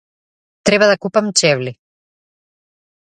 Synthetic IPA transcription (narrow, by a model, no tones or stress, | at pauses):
t̪ɾɛβaðɐkupɐmt͡ʃɛvli